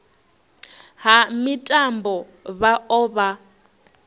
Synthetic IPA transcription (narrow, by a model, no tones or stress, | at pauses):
ɦamitʼambɔ | βaʔɔːβa